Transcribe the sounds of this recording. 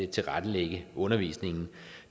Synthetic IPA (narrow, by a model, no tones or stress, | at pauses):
et͡sʰe̝lʁad̥əleɡ̥əʔɔ̽nɐʋḭːsne̝ŋn̩